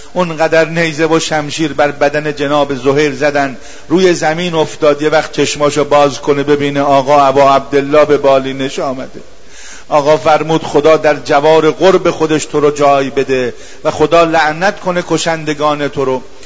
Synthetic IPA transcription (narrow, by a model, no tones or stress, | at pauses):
ʔonɢæd̪æɾne̞jzevoʃæmʃiːɾbæɾbæd̪æne̞d͡ʒenɒːbe̞zoɦejɾzæd̪ænd̪ | ɾuːje̞zæmiːno̞ft̪ɒːd̪jevæxt̪̚t͡ʃʰe̞ʃmɒːʃobɒːzkʰonebe̞biːneɒːɣɒːæbɒːæb̚d̪e̞lːɒːbe̞bɒːliːneʃɒːmæd̪e | ʔɒːɣɒːfæɾmuːd̪xod̪ɒːd̪æɾd͡ʒævɒːɾe̞ɣoɾbe̞xod̪e̞ʃt̪ʰoɾod͡ʒɒːjbe̞d̪e̞ | væxo̞d̪ɒːlæʔnæt̪kʰo̞ne̞kʰo̞ʃænd̪e̞ɡɒːnet̪ʰoɾo